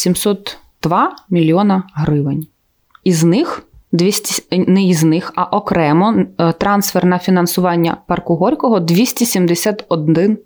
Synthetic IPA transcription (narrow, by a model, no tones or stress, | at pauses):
sʲimsɔt̪ː | d̪̥ʋɑmʲilʲiɔnɐɦɾɪʋɪnʲ | iznɪxd̪ʲisʲtʲnɛiznɪxɐʔɔkɾɛmɔt̪ɾɑnsfernɐfʲinɐnsʊʋɑnʲːɐ̰pɐrkʊɦɔɾʲkɔɦɔd̪ʋʲisʲtʲisʲimd̪esʲat̪ɔd̪ɪn